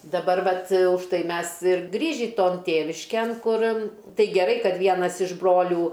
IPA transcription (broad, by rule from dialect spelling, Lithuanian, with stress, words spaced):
dɐˈbɐr ˈʋɐt ʊʃˈtɐɪ ˈmʲɛs ɪr ˈɡrʲiːʒʲiː ˈtoːn ˈtʲeːʋʲɪʃʲkʲɛn ˈkʊr ˈtɐɪ ɡʲɛˈrɐɪ ˈkɐt ˈʋʲiɛnɐs ɪʃ ˈbroːlʲuː